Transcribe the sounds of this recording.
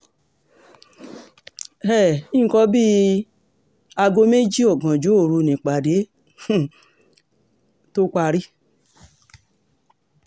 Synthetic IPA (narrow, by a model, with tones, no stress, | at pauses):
ɛ˦˨ĩ˦˧kɔ˧˦bi˦ | a˧ɡo˧me˦d͡ʒi˦o˨ɡã˨d͡ʒo˨˦o˨ɾu˧nĩ˨k͡pa˨de˨˦˨ | to˦kʷa˧ɾi˦